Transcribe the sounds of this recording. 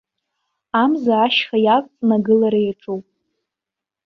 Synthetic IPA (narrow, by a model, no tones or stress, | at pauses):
amzaːʃχajakʼt͡sʼnaɡɨlaɾajaʈ͡ʂʼowpʼ